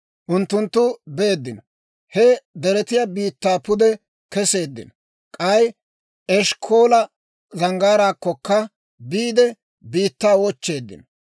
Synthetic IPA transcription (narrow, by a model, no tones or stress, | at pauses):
ʔʊnt̪ːʊnt̪ːʊbeːd̪ːɪn | hɛd̪ɛɾɛt̪ɪjɐbiːt̪ːaːpʊd̪ɛ | kɛse̞ːd̪ːɪ̰n | kʼɐj | ɛʃkʰo̞ːlɐ | zɐŋɡaːɾaːkːɔkːɐ | biːd̪ɛ | biːt̪ːaːwɔt͡ʃːe̞ːd̪ːɪ̰n